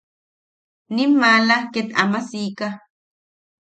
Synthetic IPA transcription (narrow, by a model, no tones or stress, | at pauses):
nimalaket̪amasika